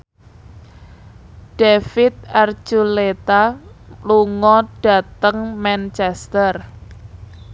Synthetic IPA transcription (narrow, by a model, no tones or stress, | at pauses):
ɖ̥efɪt̪̚ard͡ʒulet̪aluŋɔɖ̥a̤t̪əŋmɛnt͡ʃɛst̪ər